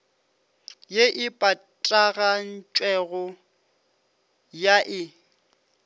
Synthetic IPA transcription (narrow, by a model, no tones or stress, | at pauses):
jeʔɪpʼa | tʼaɣan̩t͡ʃʼwɛɣɔ | jaʔɪ